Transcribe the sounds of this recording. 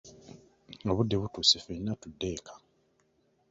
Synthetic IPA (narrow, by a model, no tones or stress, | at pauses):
oβudːeβutuːsifenːatudːe̞kʰḁ